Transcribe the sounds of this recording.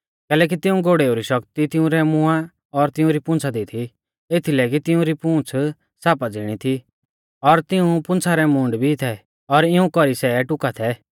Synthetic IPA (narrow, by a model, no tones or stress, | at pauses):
kɛːlɛːk̬it̪ɪũɡoːɽeːoɾiʃɔkt̪it̪ɪũɾɛmʊ̃a | ɔɾt̪ɪũɾipʊ̃nt͡sʰad̪it̪ʰi | et̪ʰilɛːk̬it̪ɪũɾipũːt͡sʰ | saːpad͡ziɽ̃it̪ʰi | ɔɾt̪ɪũpʊ̃nt͡sʰaɾɛmʊ̃ːɳɖbʱit̪ʰɛ | ɔɾɪũkɔɾisɛʈʊkat̪ʰɛ